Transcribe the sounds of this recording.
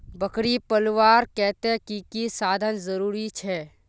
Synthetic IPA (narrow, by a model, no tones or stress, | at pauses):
bəkɽipəlʋaːɾkɛɦt̪ẽkikisaːd̪ʱənzəɾuːɾit͡ʃʰɛː